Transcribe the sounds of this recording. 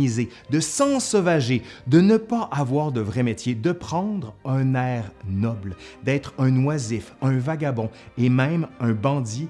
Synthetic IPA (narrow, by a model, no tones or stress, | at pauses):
ize | d̪əsɑ̃sɔvaʒed̪ənəpaʔavwaːʁd̪əvʁɛmet̪jed̪əpχɑ̃d̪ʁɛ̃nɛːʁnɔbld̪ɛːt̪χɛ̃nwazɪfɛ̃vaɡabɔ̃emɛ̃mɛ̃bɑ̃d̪i